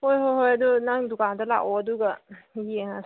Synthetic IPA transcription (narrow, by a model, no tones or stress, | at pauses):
hojɦojɦojadunaŋdukʰandɐla̰kɔɐduɡɐjeŋa